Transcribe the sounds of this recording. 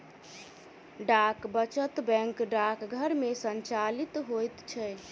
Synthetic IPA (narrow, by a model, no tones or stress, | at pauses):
ɖakbət͡ʃət̪bɛ̃ŋkɖakɡʱəɾmesənt͡ʃalit̪ɦojt̪t͡ʃʰɛ